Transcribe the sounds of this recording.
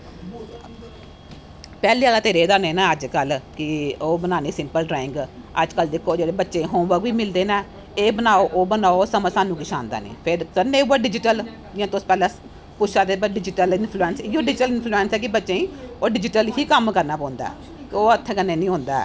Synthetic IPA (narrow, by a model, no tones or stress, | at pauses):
pɛːliːaːlaːt̪eːɾeːd̪aːneːnãːəd͡ʒkəlkɪoːbənaːniːsɪ̃mpəlɖɾɛːɪ̃ŋɡ | əd͡ʒkəld̪ɪkʰːoːd͡ʒeːɽeːbətːʃẽːɦʊʋəɡʋiːmɪld̪eːnãː | eːbənaːoːʔoːbənaːosəməsaːnːũːkɪʃa̰ːnd̪a̰ːnḭːpʰɪɾkəneːuːaːɖɪd͡ʒɪʈəl | d͡ʒɪãːt̪ospɛːlãː | pʊʃʰaːd̪eːbəɖɪd͡ʒɪʈəlɪnpʰluːɛːnsɪoːɖɪd͡ʒɪʈəlɪnpʰluːɛːnsɛːkɪbətːʃẽːĩːoːɖɪd͡ʒɪʈəlɦiːkəmkəɾnaːpɔ̃ːnd̪a̰ːɛ | koːət̪ʰːeːkənːeːnĩːɦõːnd̪a̰ɛ̰ː